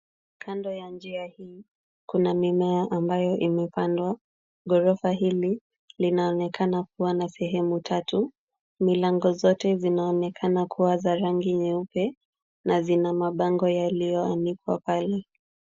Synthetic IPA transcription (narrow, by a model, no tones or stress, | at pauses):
kʰandɔjand͡ʒiahiː | kunamimɛaʔambajɔʔimɛpandwa | ɡɔɾɔfaɦili | linaɔnɛkʰanak̚uwanasɛɦɛmutʰatu | milaŋɡɔzɔtɛzinaɔnɛkʰanakʰuwazaɾaŋɡiɲɛupɛ | nazinamaɓaŋɡɔjalijɔanikwa̰palɛ